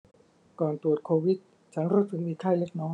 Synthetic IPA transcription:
kɔː˨˩nt̪u˨˩ət̪̚kʰoː˧wi˨˦˥t̪̚ | t͡ɕʰa˦˥nɾuː˦˥t̪sɯ˨˩k̚miː˧˩kʰaː˥˩le˦˥k̚nɔː˦˥ŋ

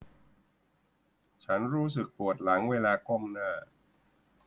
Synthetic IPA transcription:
t͡ɕʰa˦˥nɾuː˦˥s̬ɯ˨˩k̚p̪u˨˩ət̪̚la˩˦ŋweː˧laː˧ko˥˩mnaː˥˩

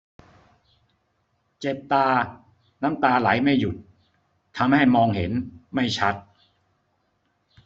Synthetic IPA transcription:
t͡ɕe˨˩p̚t̪aː˧ | na˦˥mt̪aː˧la˩˦jma˥˩jːu˨˩t̪̚ʰː | a˧mha˥˩jmɔː˧ŋhḛ˩˦nma˥˩jt͡ɕʰa˦˥t̪̚

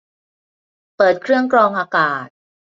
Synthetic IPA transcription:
pɤː˨˩t̪̚kʰɾɯ˥˩əŋkɾɔː˧ŋʔaː˧kaː˨˩t̪̚

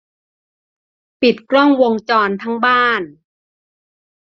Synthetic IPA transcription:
pi˨˩t̪̚klɔ˥˩ŋwo˧ŋt͡ɕɔː˧nt̪ʰa˦˥ŋbaː˥˩n

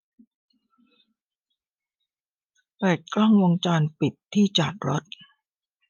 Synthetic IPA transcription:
pɛː˨˩t̪̚klɔ˥˩ŋwo˧ŋt͡ɕaː˧npi˨˩t̪ʰːiː˥˩t͡ɕaː˨˩t̪̚ɾo˦˥t̪̚

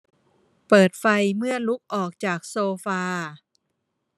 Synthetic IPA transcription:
pɤː˨˩t̪̚fa˧jmɯ˥˩ɐlu˦˥k̚ʔɔː˨˩k̚t͡ɕaː˨˩k̚soː˧faː˧

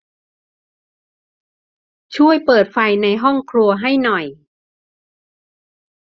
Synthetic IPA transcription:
t͡ɕʰu˥˩əjpɤː˨˩t̪̚fa˧jna˧jɦɔ˥˩ŋkʰɾu˧ɐɦa˥˩jnɔ˨˩j

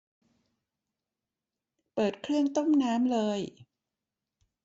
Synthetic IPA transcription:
pɤː˨˩t̪̚kʰɾɯ˥˩əŋt̪o˥˩mnaː˦˥mlɤː˧j

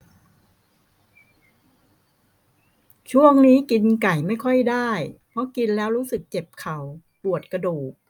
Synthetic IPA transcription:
t͡ɕʰu˥˩əŋniː˦˥ki˧nka˨˩jma˥˩jkʰɔ˥˩jdaː˥˩jpʰɔ˦˥ki˧nlɛː˦˥wɾuː˦˥sɯ˨˩k̚t͡ɕe˨˩p̚kʰa˨˩w | pu˨˩ət̪̚kɾa˧duː˨˩k̚

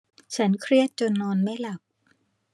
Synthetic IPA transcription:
t͡ɕʰa˦˥nkʰɾi˥˩ət̪̚t͡ɕo˧nːɔː˧nma˥˩jla˨˩p̚

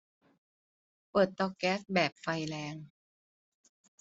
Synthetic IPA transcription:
pɤː˨˩t̪ːɔː˧kɛː˦˥sbɛː˨˩p̚fa˧jlɛː˦˥ŋ

